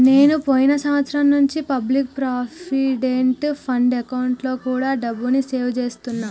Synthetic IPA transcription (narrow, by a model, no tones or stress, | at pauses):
ne̞ːnupojinɐsɐmʋɐt̪sɾɐmnuɲt͡ʃipɐblik̚pɾaːpiɖeɳʈpʰɐɳɖekɐwɳʈlo̞ːkuːɽaːɖɐbːunise̞ːwt͡ʃe̞ːst̪unːaː